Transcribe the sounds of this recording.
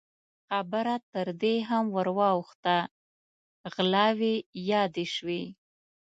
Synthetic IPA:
xabəɾat̪əɾd̪eɦamwəɾwɑwxt̪a | ɣlɑwejɑd̪eʃwe

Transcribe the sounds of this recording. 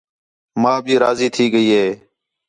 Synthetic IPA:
mãːbʱiːɾaːziːt̪ʰiːɡəiːɦeː

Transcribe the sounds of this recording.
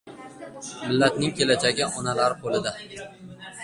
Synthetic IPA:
mɪlːat̪nɪŋkʲʰelad͡ʒaɡʲɪʔɒnalaɾɪqʰolɪd̪a

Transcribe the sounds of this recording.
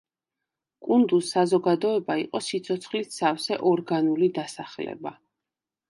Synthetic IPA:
kʼund̪usːazɔɡad̪ɔɛbaiqʼɔsit̪sʰɔt̪sʰχlitsafsɛʔɔɾɡanulid̪asaχlɛ̰ba

